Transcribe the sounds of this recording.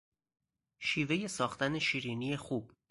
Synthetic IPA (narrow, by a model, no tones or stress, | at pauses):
ʃiːve̞je̞sɒːxt̪æne̞ʃiːɾiːnije̞xuːb̥